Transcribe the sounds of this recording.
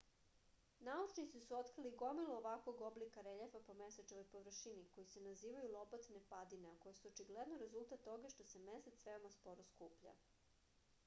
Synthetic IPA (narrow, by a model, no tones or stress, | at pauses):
naut͡ʃnit̪sisuot̪kɾiliɡo̞milˠoːʋakʋoɡoblikaɾeʎefapo̞meset͡ʃeʋojpoʋr̩ʃiniko̞jise̞naziːʋajulˠo̞pot̪ne̞pad̪ineako̞jesuot͡ʃiɡled̪noɾe̞zulˠt̪at̪ːo̞ɡaʃt̪o̞semeset̪sʋe̞omaspo̞ɾoskuːpʎa̰